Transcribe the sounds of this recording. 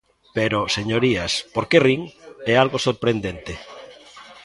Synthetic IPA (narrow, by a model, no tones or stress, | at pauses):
peɾoseɲoɾiaspoɾkeriŋɛalɣosoɾpɾend̪ent̪e